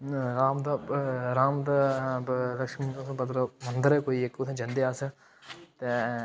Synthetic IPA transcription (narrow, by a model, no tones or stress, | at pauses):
ɾaːmd̪aɾaːmd̪a | ləkʃmĩõsbəd̪ɾmənd̪əɾɛkoːiːekʊt̪ʰãd͡ʒɐ̃nd̪eːas | t̪eː